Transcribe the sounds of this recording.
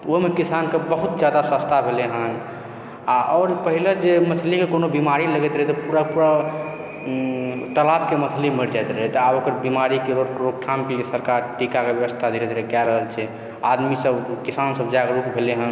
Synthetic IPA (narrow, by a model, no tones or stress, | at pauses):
omekisankebəɦut̪̚d͡ʒjad̪asəst̪ʰabʱeleɦən | aʔɔːɾpəɦiled͡ʒeməsʰlikekonobimaɾiləɡɛt̪ɾəɦɛt̪ɔpuɾapuɾa | t̪əlabkeməsʰlimeɾd͡ʒaet̪ɾəɦɛt̪ɔabokəɾbimaɾikeɾoɾok̚ʈʰamkisəɾkaɾʈikakebjəʋəst̪ʰad̪iɾɛt̪ɾɛkɛɾəɦəlt͡ʃʰɛ | ad̪misəbkisansəbd͡ʒaɡɾukbʱeleɦən